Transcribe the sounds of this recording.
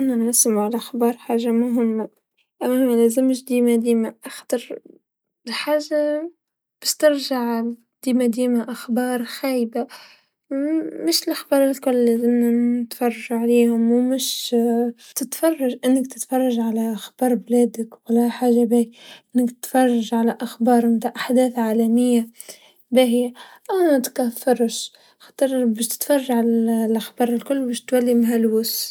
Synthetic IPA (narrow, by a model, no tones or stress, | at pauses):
ʔɪnːanʕasɪmʕalaʔaxbɑːɾˤħaːʒamaɦʊmːa | ʔamːmalaːzɪmːʃd̪iːmad̪iːmaʔaxt̪ɑɾˤ | ħaːʒːa | b̥ɪʃt̪ɪɾʒaʕ | d̪̥iːmad̪iːmaʔaxbɑːɾˤxaːjba | mɪʃɪlʔaxbɑːɾˤɪlkʊlːezɪmnanɪt̪fɑrˤːɑʒuʕaleːhʊmwmɪʃ | t̪ɪt̪fɑrˤːɑʒʔɪnːɪkt̪ɪt̪fɑrˤːɑʒʕalaʔxbɑːɾˤblæːd̪ɪkwalːaħaːʒabehiʔɪnːɪkt̪ɪ̥t̪fɑrˤːɑʒʕalaʔaxbɑːɾˤmt̪aːʕʔaħd̪æːθʕaːlamɪjːa | behɪja | ʔanat̪kafːɑɾˤʃ | xɑ̥t̪ˤɨɾˤbæːʃt̪ɪ̥t̪fɑrˤːɑʒaʕallʔaxbɑːɾˤɪlkʊlːbæːʃt̪walːimɦalwʊs